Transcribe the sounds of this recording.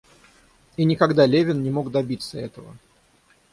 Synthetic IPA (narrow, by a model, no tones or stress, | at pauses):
inʲɪkɐɡd̪alʲevʲɪnnʲɪmo̞ɡd̪ɐbʲit̪səɛt̪əvə̰